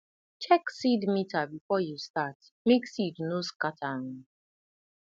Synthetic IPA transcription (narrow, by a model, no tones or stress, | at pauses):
t͡ʃɛksidmitabifɔjustat | meksidnoskatʰaʊ̃